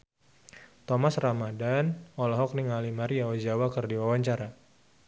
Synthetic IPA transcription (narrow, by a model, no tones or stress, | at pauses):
t̪ɔmasramadanɔlɔɦɔk̚niŋalimaɾiaad͡ʒawakɨrdiwawaɲt͡ʃaɾa